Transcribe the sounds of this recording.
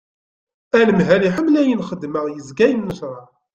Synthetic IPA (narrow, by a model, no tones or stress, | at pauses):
æləmɦæliħəmːlæjənχəd̪ːməʁjəzɡæjənːəʃɾˤɑ